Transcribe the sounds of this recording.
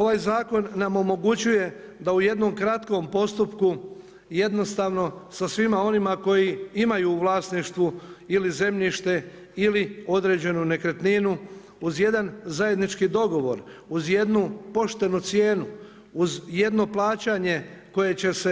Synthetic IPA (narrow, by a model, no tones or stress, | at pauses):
o̞ʋaːjzaːko̞nːamo̞mo̞ɡut͡ɕuje̞ | d̪auje̞d̪no̞mkɾat̪ko̞mpo̞st̪upku | je̞d̪no̞st̪aːʋno̞sasʋimao̞nimako̞jiimajuːʋlˠaːsniʃt̪ʋuilize̞mʎiʃt̪e̞ | ilio̞d̪ɾe̞ːd͡ʑe̞nune̞kɾet̪ninu | uzje̞d̪anzaje̞d̪nit͡ʃkid̪o̞ɡo̞ʋo̞̰ɾuzje̞d̪nupo̞ʃt̪e̞nut̪sjeːnu | uzje̞d̪no̞plaːt͡ɕaɲe̞ko̞je̞t͡ɕe̞se